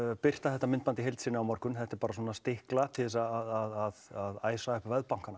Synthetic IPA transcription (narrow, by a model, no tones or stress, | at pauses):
pɪr̥t̪aθɛht̪amɪnpant̪ɪɦejlt̪sɪːnɪawmɔrkʏnθɛht̪ɛɾpaːɾas̬ɔːnast̪ɪhklat̪ʰɪlðɛsaaðaðaðaðaːjsaœhpvɛðpawŋ̥kanːa